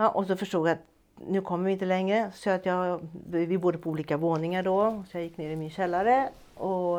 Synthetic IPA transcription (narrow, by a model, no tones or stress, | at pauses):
ɑʔɔsɔfɔʂʈuːɡjæɑt̪ | nuːkʰɔmːəʋɪnt̪ːəlɛŋːɾəsɔɑt̪jæ | ʋɪbuːɾəpʰɔuːlɪkəʋoːnɪŋəɖ̪osɔjæɪjɪkːneːd̪ɪmyːəɕɛlːæɾə | ɔ